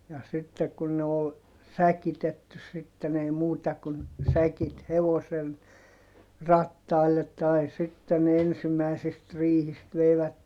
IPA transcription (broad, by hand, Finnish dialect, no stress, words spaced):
jɑ sitːek kun ne ol sækitetːy sitːen ei muːtɑ kun sækit heʋosen rɑtːɑilːet tɑi sitːe ne ensimæisist rihist ʋeiʋætːem